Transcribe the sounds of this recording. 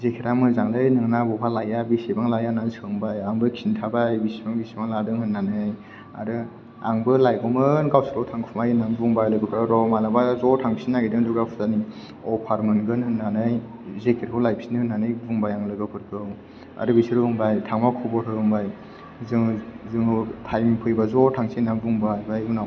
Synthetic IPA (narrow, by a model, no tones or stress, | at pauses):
zekʰiɾamɯzaŋlɯjnɯŋnabɔpʰalajabisebaŋlajanansʰɯŋbajaŋbɯkʰintʰabajbisebaŋbisebaŋladɯŋhɯnːanɯj | a̰ɾɯ | a̰ŋbɯlajɡɔmɯnɡawsɯlɔwtʰaŋkʰumajnanbuŋbajlɯɡɯpʰɾaɾɔmalabazɔtʰaŋsinːaɡidɯŋduɡɾapʰu̥zani | ɔpʰaɾmɯnɡɯnhɯnːanɯj | zekʰeɾkʰɯwlajp̚ʰsinɯhɯnːanɯjbuŋbajaŋlɯɡɯpʰɯɾkʰɯw | a̰ɾɯbisiɾɯhɯŋbajtʰaŋmakʰubɔtʰɯɡɯŋbaj | zɯŋzɯŋtʰajmpʰɯjbazɔtʰaŋsinabuŋbajbajuna